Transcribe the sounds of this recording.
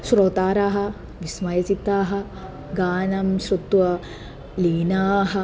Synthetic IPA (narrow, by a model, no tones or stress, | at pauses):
ʃɾoːt̪aːɾaːɦɐ̆ | ʋismɐjɐt͡ʃit̪ːaːɦɐ̆ | ɡaːnɐmʃɾut̪ʋɐ | liːnaːɦɐ̆